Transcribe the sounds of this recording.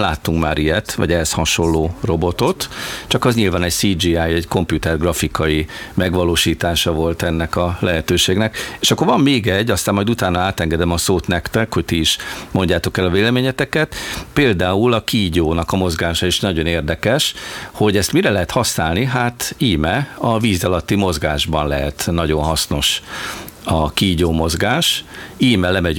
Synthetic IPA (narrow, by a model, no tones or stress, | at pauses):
laːt̪ːuŋkma̰ːɾʔijɛt̪ʋɒ̰ɟɛɦɛshɒʃo̞lːoːro̞bo̞t̪o̞t̪t͡ʃɒkɒzɲilvaːnɛɟsiːd͡ʒiːajɛɟko̞mpjut̪ɛrɡrɒfikɒimɛɡʋɒloːʃiːt̪aːʃɒvo̞lt̪ɛnːɛkɒlɛɦɛt̪øːʃeːɡnɛkeːʃɒkːorvɒmːeːɡɛɟːɒst̪aːmːɒjd̪ut̪aːnːɒaːt̪ɛŋɡɛd̪ɛmɒsoːt̪nɛkt̪ɛkho̞ct̪iiʃmo̞ɲɟaːt̪o̞kɛlɒveːlɛmeːɲɛt̪ɛkɛt̪peːld̪aːulɒkiɟoːnɒkɒmo̞zɡaːʃɒeʃnɒɟo̞neːrd̪ɛkɛʃho̞ɟɛst̪miɾɛlɛɦɛt̪hɒsnaːlniɦaːt̪iːmɛɒviːzɒlɒt̪ːimo̞zɡaːʒbɒnlɛɦɛt̪nɒɟo̞nɦɒsno̞ʃ | ɒkiɟoːmo̞zɡaːʃiːmɛlɛmɛɟ